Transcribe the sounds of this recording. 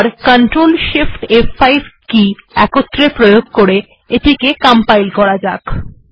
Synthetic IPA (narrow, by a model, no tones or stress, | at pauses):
ɾkəɳʈɾolʃifʈefajkiɛkot̪ːɾepɾojoɡ̚koɾe | eʈʰikekampajlkɔɾad͡ʑak